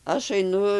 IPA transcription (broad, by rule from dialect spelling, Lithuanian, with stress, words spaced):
ˈɐʃ ɐɪˈnʊ